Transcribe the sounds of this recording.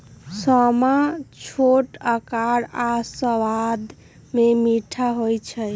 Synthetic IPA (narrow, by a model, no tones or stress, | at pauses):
sɔmat͡ʃʰoʈəkaɽasəwad̪ | memiʈʰaɦojt͡ʃʰə